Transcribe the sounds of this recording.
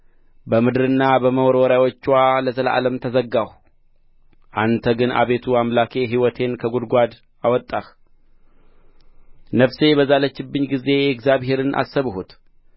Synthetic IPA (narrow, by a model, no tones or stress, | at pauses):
bəmɨd̪ɨɾɨnːabəməwɔɾwɔɾawot͡ʃːwaləzələʔa̰ləmt̪ʰəzəɡːah | ʔant̪ʰəɡɨna̰βe̞t̪ʰuamlakʰe̞ɦiwɔt̪ʰe̞nkʰəɡud̪ɡʷad̪ | awɔt̪ʼːah | nəfse̞bəzalət͡ʃːɪbːɨɲːɡize̞ɛkzaβɦe̞ɾɨnʔa̰sːəβɦut̪